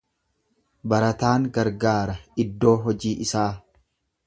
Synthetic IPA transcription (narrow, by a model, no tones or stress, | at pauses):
bɐɾɐt̪aːŋɡɐɾɡaːɾɐɪd̪ːo̞ːɦɔd͡ʒiːʔɪsaː